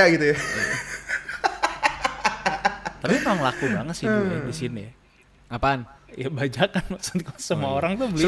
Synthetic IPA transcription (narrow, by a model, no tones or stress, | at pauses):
aɡit̪uja | t̪apimamaŋlakubaŋət̪siuadisini | apanjabad͡ʒakanmaksu̥t̪kasəmaoɾaŋt̪ubəli